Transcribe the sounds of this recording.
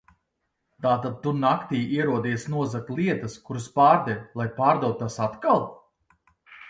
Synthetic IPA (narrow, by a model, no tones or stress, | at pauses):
t̪aːt̪ad̪̚t̪ːunakt̪iːiɛɾuɔd̪iːsnuɔzaklˠiɛt̪ɐskuɾaspaːɾd̪ɛjʲlˠajpaːɾd̪awt̪̚ːasat̪kalˠ